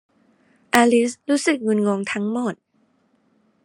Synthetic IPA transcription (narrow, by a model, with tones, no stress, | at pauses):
ʔaː˧li˦˥sɾuː˦˥sɯ˨˩k̚ŋu˧nŋoː˧ŋt̪ʰa˦˥ŋmɔː˥˩t̪̚